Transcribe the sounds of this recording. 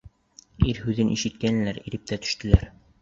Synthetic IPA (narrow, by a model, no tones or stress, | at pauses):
iɾhʉðɘnʔiʃɘ̆t̪̚kæn̆læɾiɾɘp̚t̪æt̪ɵ̥̆ʃt̪ɘ̆læɾ